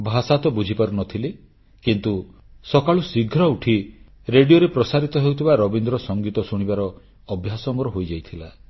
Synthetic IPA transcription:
bʱasat̪ɔbud͡ʒʱipaɾunɔt̪ʰile | kint̪u | sɔkaɭusiɡʱɾɔuʈʰi | ɾeɖijoɾepɾɔsaɾit̪ɔɦewt̪ʰibaɾɔbind̪ɾɔsɔŋɡit̪ɔsuɽ̃ibaɾɔː | bʱjasɔmɔɾɔɦojd͡ʒajt̪ʰila

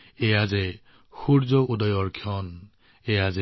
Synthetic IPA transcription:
ejazɛ | xuɹzɔudɔjɔɹkʰjɔn | ejazɛ

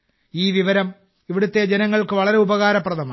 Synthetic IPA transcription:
iːʋiʋɐɾɐm | iʋiɽut̪ːe̞d͡ʑenɐŋːɐɭkɨʋɐɭɐɾe̞ubɐɣaːɾɐprɐðɐmaː

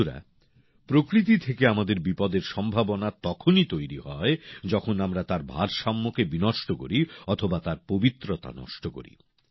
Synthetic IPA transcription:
ɾa̰ | pɾokɾit̪it̪ʰekeamad̪eɾbipɔd̪eɾʃɔmbʱabonat̪ɔkʰonit̪ojɾiɦɔed͡ʑɔkʰonamɾat̪aɾbʱaɾʃamːokebinɔʃʈoko̰ɾiɔt̪ʰobat̪aɾpobit̪ːɾot̪a̰nɔ̰ʃʈoko̰ɾḭ

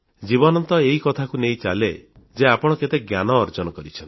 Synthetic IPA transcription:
d͡ʒibɔnɔnt̪ɔeɦikɔt̪ʰakunej̃t͡ʃa̰le | d͡ʒeapɔɽ̃ɔket̪eɡjanɔːɾd͡ʒɔnɔkɔɾit͡ʃʰɔnt̪i

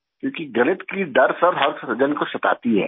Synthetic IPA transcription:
kjõːkiɡɐnɪt̪kid̪ɐɾsɐbɦɐɾsʰsɐd͡ʒənkosɐt̪a̰ːt̪iɦɛ̰ː

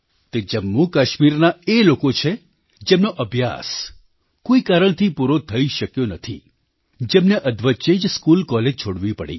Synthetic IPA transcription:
t̪ed͡ʒəmːukaʃmiɾnaelokot͡ʃʰe | d͡ʒemnoʔəbʱja̰s | koikaɾəɳt̪ʰipuɾot̪ʰəiʃəkjonət̪ʰḭ | d͡ʒemneʔəd̪ʋət͡ʃed͡ʒskulkɔled͡ʒt͡ʃʰoɽʋipəɽḭ

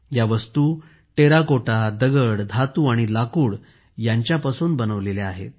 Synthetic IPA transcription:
jaʋəst̪uː | ʈeɾakoʈad̪əɡəɽd̪ʱat̪uːaɽ̃ilakuːɽ | jaɲt͡ɕjapasuːnbənəʋleleaɦḛt̪̚

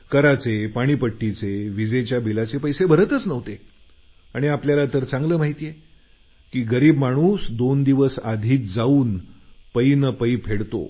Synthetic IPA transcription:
kəɾat͡sepaɽ̃iːpəʈːit͡seʋid͡zet͡ɕjabʱilat͡sepəjsebʱəɾət̪ət͡snəʋt̪e | aɽ̃iapljalat̪əɾt͡sãŋɡləːm̤aɦit̪ije | kiːɡəɾiːbmaɽ̃uːsd̪ond̪iʋəsad̪ʱiːt̪d͡zauːnpəinəpəipʰeɽt̪o̰

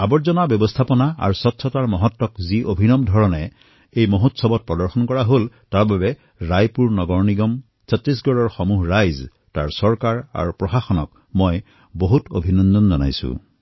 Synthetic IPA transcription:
abɔɹzɔnabjɔbɔstʰapɔnaa̰ɹsɔtʰːɔtaɹmɔɦɔtːɔkziʔobʱinɔmdʱɔɹɔnɛ | ejmoɦotsɔbɔt̚pɹɔdɔɹxɔnkɔɹaɦoltaɹbabɛ | ɹajpuɹnɔɡɔɹniɡɔm | sɔtɹis̬ɡɔɹɔɹxɔmuɦɹajz | ta̰ɹsɔɹkaɹa̰ɹupɹɔxaxɔnɔk | mɔj | boɦutobʱinɔndɔnzɔna̰jsṵ̃

